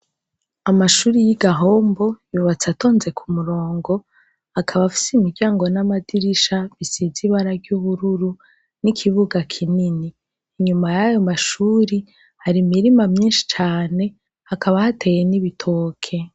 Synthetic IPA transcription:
amaʃuːɾijiɡaɦo̞ːmbo̞juːβat͡sato̞ːnze̞kʰumuɾo̞ːŋɡo̞ | akʰaβafi̥simiɾɟaːŋɡo̞namadiɾiʃaβisiziβaɾaɟuβuɾuɾu | nikʰiβuɡakʰininiː | ɲumajajo̞maʃuːɾi | haɾimiɾimamɲiːnʃi̥t͡ʃaːne̞ | hakʰaβahate̞jeniβitʰo̞ːkʰe̞

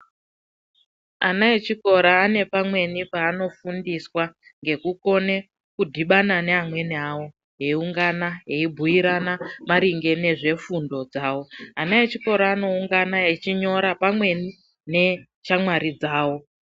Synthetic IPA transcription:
anaet͡ʃiko̞ɾaːne̞pamwe̞nipaːno̞fundiswa | ŋɡe̞kuko̞ne̞ | kudʱiɓanane̞amwe̞niawo̞ | ɦe̞iuŋɡanaɦe̞ibʱujiɾanamaɾiŋɡe̞ne̞ʐe̞fundo̞d͡zaːwo̞anaet͡ʃiko̞ɾaːno̞uŋɡanaɦet͡ʃiɲo̞ɾapamwe̞ni | ne̞ | t͡ʃamwaɾid͡zaːwo̞

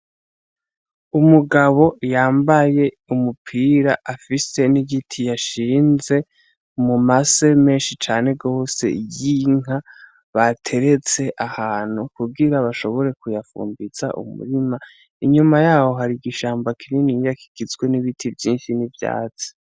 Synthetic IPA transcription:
umuɡaβo̞jaːmbaje̞ | umupʰiːɾaʔafise̞niɡitʰijaʃiːnze̞ | mumaseme̞ːnʃit͡ʃaːne̞ɡo̞ːse̞̰jiŋɦa | βatʰe̞ɾe̞t͡se̞ʔahaːn̥hukuɡiɾaβaʃo̞βo̞ɾe̞kujafṵːmbiz̥a̰ʔṵmṵɾima | iɲumajaːho̞ɦaɾiɡiʃaːmbakininijakʰi̥ɡ̥izɡwe̞niβitʰivjiːnʃinivja̰ːt͡se̥

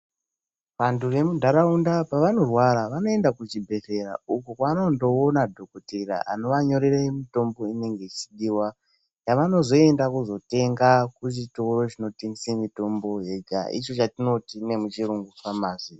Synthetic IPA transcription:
ʋanture̞mudʱaɾaundapaʋano̞rwaɾaʋano̞e̞ndakut͡ʃibʱe̞se̞ɾa̰ukukwaːnondo̞onadʱo̞kotera̰ʔa̰no̞ʋaɲo̞ɾeremito̞mbo̞ine̞ŋɡe̞it͡ʃiɗiːwa | jaʋano̞zo̞e̞ndakuzo̞te̞ŋɡakuʐito̞ɾo̞ʐino̞tinsemito̞mbo̞ɦe̞ɡʱa̰ʔḭt͡ʃo̞t͡ʃatino̞tine̞mut͡ʃiɾuŋɡufamaːzi

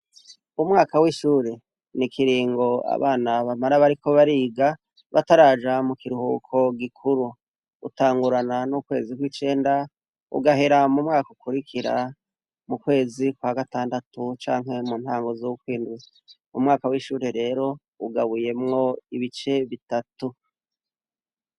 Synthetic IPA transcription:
umŋaːkawiʃuːɾe̞ | nikʰiɾiːŋɡo̞a̰βaːnaβamaɾaβaɾikʰo̞βaɾiːɡa | βa̰taɾaːd͡ʒamukiɾuhṵːkʰo̞ɡikʰuɾu | ṵtaːŋɡuɾananukwe̞ːzikwiːt͡ʃe̞ːnda | ṵɡaɦe̞ɾamumŋaːkukuɾikʰiɾa̰ | mukwe̞ːzikwaɡataːndatut͡ʃaːŋɦe̞muːnhaːŋɡo̞zoukwiːnduze | umŋaːkawiːʃuːɾe̞ɾe̞ːɾo̞ | uɡaβuje̞mŋo̞iβit͡ʃe̞βitatu

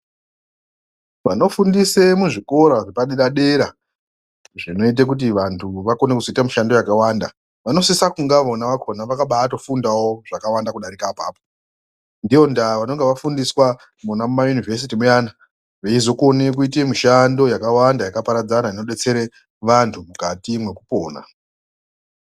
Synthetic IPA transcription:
ʋano̞fundise̞muʐiko̞ɾoʐepaɗeɾaɗe̞ɾa | ʐino̞it̬ek̬ut̬iʋantʰuʋako̞nekuzoitamiʃando̞jakawanda̰ | ʋano̞sisakuŋɡaʋonaʋakʰonaʋakaɓaːto̞fundawoʐakawandakuɗaɾikapa̰ːpo | ndiʋo̞ndaʋano̞ŋɡeʋafundiswa | munamumajunivʱes̬itimujana | ʋeizo̞kuone̞k̬uit̬emiʃando̞jakawandajakapaɾad͡zanaino̞ɗe̞t͡se̞ɾe | ʋantʰumukatimwe̞kupo̰ːna̰

